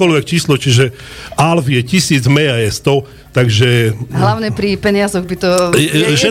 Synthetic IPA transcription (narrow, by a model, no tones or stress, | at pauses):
ɔlʋɛk̚t͡ʃiːslɔt͡ʃiʒɛ | alvijɛcisiːd͡zmɛjajɛst̪ɔ | t̪aɡʒɛɦlaʊɲɛpɾipɛɲɪazɔɣbit̪ɔʒɛ